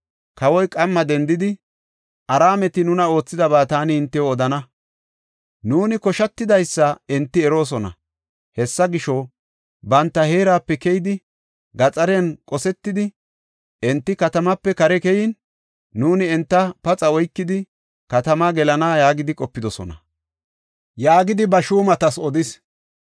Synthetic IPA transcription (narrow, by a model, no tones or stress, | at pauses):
kɐwɔjkʼɐmːɐd̪ɛnd̪ɪd̪ɪ | ʔɐɾaːmɛt̪ɪnʊnɐo̞ːt͡sːɪd̪ɐbaːt̪aːnɪːnt̪ːɛjoɔd̪ɐnɐ | nuːnɪkɔʃɐt̪ːɪd̪ɐjsːɐɛnt̪ːɪɛɾo̞ːs̬ɔnɐ̰ | hɛsːɐɡɪʃɔ | bɐnt̪ːɐheːɾaːpːɛkɛjɪd̪ɪ | ɡɐt͡sʼɐɾɛnkʼɔsɛt̪ːɪd̪ɪ | ɛnt̪ːɪkɐt̪ɐmɐpːɛkɐɾɛkɛjɪnː | uːnɪɛnt̪ːɐpɐt͡sʼɐɔjkːɪd̪ɪ | kɐt̪ɐmɐɡɛlɐnaːjaːɡɪd̪ɪkʼɔpːɪd̪ɔsɔ̰nɐ̰ | jaːɡɪd̪ɪbɐʃuːmɐt̪ɐsɔd̪ɪs